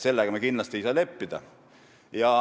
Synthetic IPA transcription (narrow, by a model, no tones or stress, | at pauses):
se̞lːeɡ̥ɑmekinlɑst̪iejsɑle̞pːid̪̥ɑ̰ | jɑ